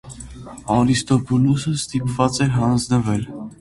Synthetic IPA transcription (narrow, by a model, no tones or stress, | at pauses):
ɑɾist̪ɔpʰɔlusəst̪ipvɑt͡sɛɾɦɑnd͡znəvɛl